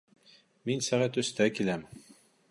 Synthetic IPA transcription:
minsæʁæt̪ɵ̆st̪ækilæm

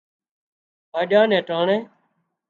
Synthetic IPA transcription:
ɦaːɗjãːnɛ̃ːʈaːɳẽː

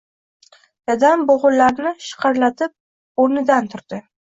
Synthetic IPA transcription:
j̪ad̪amboʁʊllːaɾnɪʃɨ̥qʰɑɾlat̪ʰɪp̚ | oɾnɪd̪ant̪ʰʊɾd̪̥ɪ

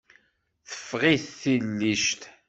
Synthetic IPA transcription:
θə̥fːʁiθθilːiʃt̪

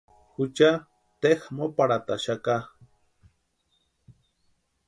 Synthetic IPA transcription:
xut͡ʃa | t̪exmopaɽat̪aʃaka

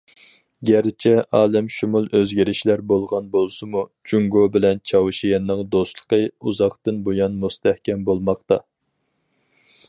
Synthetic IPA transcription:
ɡʲæɾt͡ʃʰɛʔɑːlɛmʃumulˠʔøzɡʲiɾɪʃlæɾbolˠʁɑnbolˠsɨmut͡ʃuŋɡobɪlɛnt͡ʃʰɑwɨʃijɛnːɨŋd̪ost̪lˠə̥qəuzɑχt̪ɨnbojɑnmust̪ɛhkʲɛmbolˠmɑqt̪ɑ

